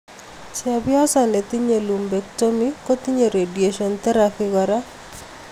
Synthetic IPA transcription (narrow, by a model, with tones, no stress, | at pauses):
sɪa˨bɪ˦ɔ˦sa˨ne˨t̪i˦ɲe˨lu˨mbe˨kto˦miko˦t̪i˦ɲe˨ɾe˨dje˨ʃɔ˨nt̪ɛ˦ɾafɪɡa˨ɾa˦